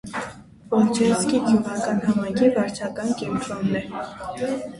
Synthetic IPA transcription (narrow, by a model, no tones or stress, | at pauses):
pɔlt͡ʃʰɛskit̪ʰuʁɑkɑnɦɑmɑjŋkʰivɑɾt͡ʃʰɑkɑnkɛmt̪ɾɔnːɛ